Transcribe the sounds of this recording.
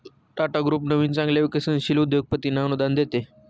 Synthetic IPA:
ʈaʈaɡɾuːpnəʋiːnt͡sãŋɡljaʋikəsənɕiːlud̪joɡ̚pət̪inaənud̪and̪et̪e

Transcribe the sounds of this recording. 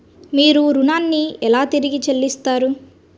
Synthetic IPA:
miːɾuɾunaːnːiɛlaːt̪iɾiɡit͡ʃelːist̪aːɾu

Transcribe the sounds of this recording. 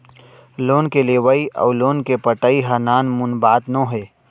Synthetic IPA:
loːnkeleːwaiʔɐ̰wloːnkepəʈəiɦanaːnmʊnbaːt̪nõɦeː

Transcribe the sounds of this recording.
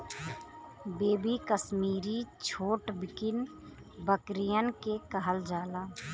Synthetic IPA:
beːbikəsmiːɾit͡ʃʰoːʈbɪkɪn | bəkɾijənkekəɦəld͡ʒaːlaː

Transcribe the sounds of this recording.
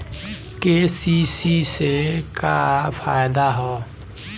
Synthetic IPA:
kesisiseka̰pʰaːjd̪aɦoː

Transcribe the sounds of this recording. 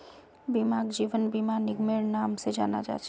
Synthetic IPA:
bimaɡd͡ʒiʋənbimaniɡmeɽnamsed͡ʒa̰na̰d͡ʒa̰t͡ʃʰ

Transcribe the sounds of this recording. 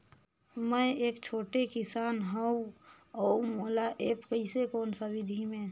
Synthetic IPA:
mə̃eːkt͡ʃʰoːʈekɪsaːnɦə̃ũ | ɔːmoːlaʔeːpkəɪsekɔːnsabɪd̪ʱimẽː

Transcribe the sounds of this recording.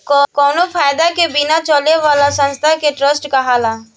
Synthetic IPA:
kɔːnopʰaːjd̪akebɪnat͡ʃɔleʋaːlasə̃nst̪ʰakeʈɾəsʈkaɦaːlaː

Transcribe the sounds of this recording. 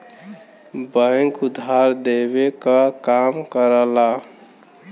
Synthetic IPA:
bəŋkʰud̪ʱaɾd̪eβekakamkəɾəla

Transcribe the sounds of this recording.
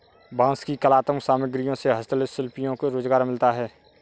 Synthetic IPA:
bãːskikəlaːt̪əmsaːməɡɾijõseɦɐst̪əlɪsɪlpijõkoɾoːzɡaːɾmɪlt̪aɦɛː

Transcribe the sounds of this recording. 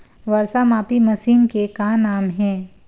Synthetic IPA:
ʋɐɾsamaːpimɐsiːnkekanaːmɦɛ̃ː

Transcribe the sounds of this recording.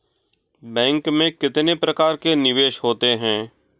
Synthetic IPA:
bɛ̃ːŋkmẽkɪt̪nepɾɐkaːɾkenɪʋeːʃɦoːt̪eɦɛ̃ː

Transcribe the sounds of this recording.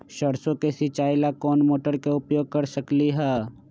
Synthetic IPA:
ʃəɾsõkesit͡ʃaːɪlakɔːnmoːʈəɾkeʊpjoːɡ̚kəɾsəkliɦɛː

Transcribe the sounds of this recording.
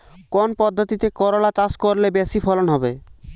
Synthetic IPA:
kɔnpɔd̪ʱːot̪it̪ekɔɾolat͡ʃaskoɾlebesifʰɔlonɦɔbe

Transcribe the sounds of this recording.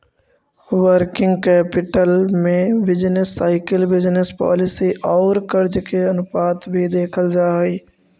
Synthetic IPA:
ʋəɾkɪ̃ŋɡkɛːpɪʈəlmẽbɪd͡ʒnɪsːaːɪkəlbɪd͡ʒnɪspɔ̰ːlɪsiʔɔːɾkəɾd͡ʒkeənʊpaːt̪bʱid̪eːkʰəld͡ʒaːɦiː

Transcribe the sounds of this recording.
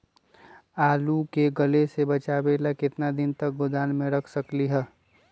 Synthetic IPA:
aːlukeɡəlesebɐt͡ʃaːbelakɪt̪nad̪ɪnt̪ək̚ɡʊd̪aːnmẽɾɐkʰsəkliɦɛː

